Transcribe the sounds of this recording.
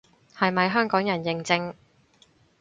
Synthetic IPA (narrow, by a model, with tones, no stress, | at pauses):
hɐ˨jmɐ˨˧jɦœː˥ŋkɔː˨˥ŋjɐ˨˩njɪ˨˧ŋt͡sɪ˧ŋ